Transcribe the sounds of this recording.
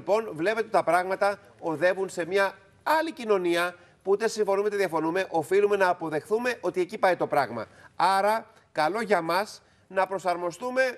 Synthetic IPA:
po̞nvle̞peeot̪t̪ɐpɾɐɣmɐt̪ɐ | o̞ðe̞vunse̞mɲɐ | ɐlicino̞niɐ | puut̪e̞siɱfo̞numet̪ðiɐfo̞nume̞ʔo̞filume̞nɐːpo̞ðe̞xθume̞ʔo̞t̪ie̞cipɐit̪o̞pɾɐɣmɐ̰ɐɾɐ | kɐlo̞ʝɐmɐs | nɐpɾo̞sɐɾmo̞st̪ume̞

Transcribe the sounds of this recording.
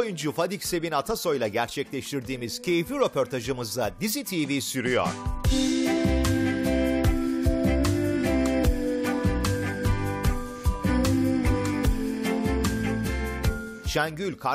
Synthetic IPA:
jund͡ʒufad̪icse̞vinat̪ʰaso̞jlˠaɟæɾt͡ʃʰɛclʲɛʃt̪ʰiɾd̪iːmiz̥cʰe̞jifiɾepʰo̞ɾt̪ʰaʒɯmɯzd̪ad̪izit̪ʰivisyɾyjo̰ɾ̥ | t͡ʃʰænɟylʲkʰa

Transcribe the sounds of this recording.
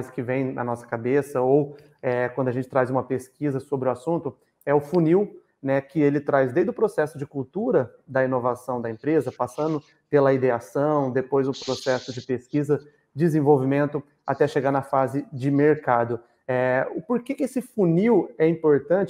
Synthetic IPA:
zɪkɪvẽj̃nɐ̰nɔsɐ̥kabesɐow | ɛkwɐ̃d̪ʊaʒẽt͡ʃɪt̪ɾajzũmɐpeskizɐsobɾɪʊasũnt̪ʊ | ɛʊfuniw | nɛkɪelɪt̪ɾajzd̪ejzd̪ʊpɾosɛsʊd͡ʒɪkuwt̪uɾɐd̪ɐinovasɐ̃w̃d̪ɐẽmpɾezɐpasɐ̃nd̪ʊ | pelɐid̪easɐ̃w̃d̪epojzũpɾosɛsʊd͡ʒɪpeskizɐ | d͡ʒɪzẽvowvimẽnt̪ʊ | a̰t̪ɛʃeɡanɐfazɪd͡ʒɪmeɾkad̪ʊ | ɛʊpoɾkekɪesɪfuniwɛĩpoɾt̪ɐ̃nt͡ʃɪ

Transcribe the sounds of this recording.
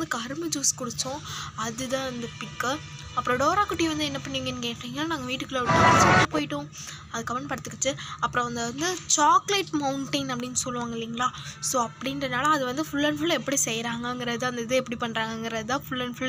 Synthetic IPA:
d̪ɯkːɐɾmɯd͡ʒuːskʊɽɪt͡ʃːʊ̃ɐðɯðãːɪnd̪ɐpɪkːɯ | ɐpːɯɾõɖoːɾaːkʊʈːɪjɐ̃ʋɐnd̪ɯɛnːɐpɐɳːiːŋɡɐnkeːʈːiːŋɡɐnaːnaːɡɐʋiːʈːɯkːɐlɐɽsɔɐpoːjɪʈːʊ̃ | ɐðɯkːɐʋɐnpɐɽɯt̪ːɯkːɯʈːɯɐpːɾõʋɐnd̪ɐʋɐnd̪ɯt͡ʃaːklɐɪʈmɐʊɳʈɐnɐpːɐɽɪnːɯsɔlːɯʋaːŋɡɐɪlːiːŋɡɐlaːsoːɐpːɐɽɪnɾɐnaːlɐɐðɯʋɐnd̪ɯfʊlːɐnfʊlɛpːɐɽisɛjɾaːŋɡɐŋɡɪɾɐðɯɐnd̪ɐðɯɛpːɐɽipɐɳːɾaːŋɡɐŋɡɪɾɐðɯt̪ãːfʊlːɐnfʊl

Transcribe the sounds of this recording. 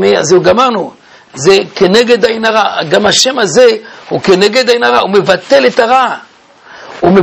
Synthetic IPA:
ea̰zeuɡamaʁnu | ze̞kene̞ɡe̞d̪ainaʁaɡamaʃe̞mazehuke̞neɡe̞dainaʁahume̞vate̞le̞taʁa | ume

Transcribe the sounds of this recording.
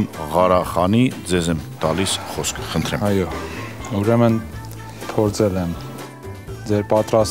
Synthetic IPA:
mʁɑɾɑχɑnid͡zɛzɛmt̪ɑlisχɔskʰχənt̪ʰɾɛmɑjɔuɾɛmən | p̪ʰɔɾt͡sʰɛlɛm | d͡zɛɾpɑt̪ɾɑs

